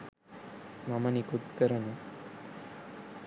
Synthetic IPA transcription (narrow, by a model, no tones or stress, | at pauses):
mɐmɐnikut̪kɐɾɐnɐ